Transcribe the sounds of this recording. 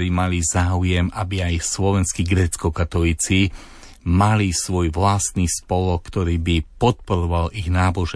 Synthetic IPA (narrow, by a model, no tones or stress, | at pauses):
ɾiːmalizaːujɛmabiajslɔʋɛnskiɡɾɛːt͡skɔkat̪ɔliːt͡si | malisʋɔjʋlast̪niːspɔlɔkt̪ɔɾiːbipɔt̪̚pɔɾɔʋaliɣnaːbɔʒɛ